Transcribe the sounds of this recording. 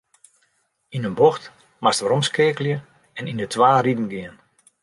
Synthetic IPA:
inənboxt | mastʋəɾɔmskɪːkəljə | ɛnindətʰʋaːridn̩ɡɪən

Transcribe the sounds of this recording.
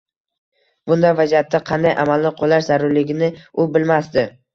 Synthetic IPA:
b̥ʊnd̪avazijat̪ʰːaqʰɑnd̪ajʔa̰malnɪqʰolaʃzaɾʊɾlɪɡʲɪnɪʊbɪlmasd̪ɪ

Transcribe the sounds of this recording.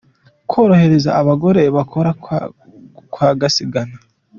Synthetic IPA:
kwo̞ːɾohe̞ɾe̞za̰ːβaɡo̞ɾe̞βakʰo̞ɾa | kwaːɡasiɡana

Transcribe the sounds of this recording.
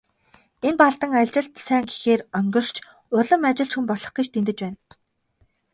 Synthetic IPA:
enpaɮt̪ə̆ŋaɮʲt͡ɕɪ̆ɬt̪sæːŋɡixeːrœŋɡɞ̆r̥t͡ɕʰ | ʊɮə̆mat͡ɕɪ̆ɬt͡ɕxumpɔɮɞ̆χɡĭt͡ɕt̪ʰent̪ɘ̆t͡ɕpæːn

